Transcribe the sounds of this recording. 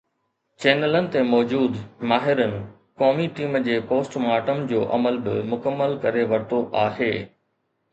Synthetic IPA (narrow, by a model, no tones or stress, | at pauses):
t͡ɕeːnələnɪ̆t̪emɔːd͡ʑuːd̪maːɦɪɾənɪ̆ | kɔːmiʈiːmd͡ʑeːpoːsʈmaːʈəmd͡ʑoːʔɐ̰məlbɪ̰mʊkəmːəlkɐɾeʋɐɾt̪oʔaːheː